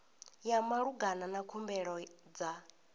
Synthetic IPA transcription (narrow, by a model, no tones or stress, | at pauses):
jamaɺuɡananakʰumbɛɺɔd͡za